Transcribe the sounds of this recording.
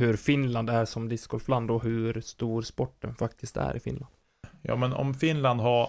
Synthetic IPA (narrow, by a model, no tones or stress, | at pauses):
hɵɾfɪnland̪æɾʂɔmd̪ɪskɔlfland̪ɔɦɵɾst̪uːɾspɔʈːə̰nfakt̪ʰɪst̪æ̰ɾʔɪfɪ̰nland̪ | jɑ̰ːmɛnɔ̰mfɪnland̪ha